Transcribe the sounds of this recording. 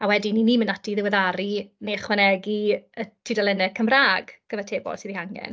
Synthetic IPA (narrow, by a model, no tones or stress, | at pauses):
awɛdininiːmənatiðɪwɛðaɾinejχwɛnɛɡiətʰidalɛnɛ̥kʰəmraːɡɡ̥əðatʰeːbɔ̰lˠsiːðihaŋɡɛ̰n